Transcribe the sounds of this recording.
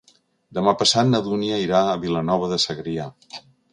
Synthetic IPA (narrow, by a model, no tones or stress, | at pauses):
d̪əmapəsat̪̚nəðuniəiɾaəβilənɔβ̞əðəsəɣɾia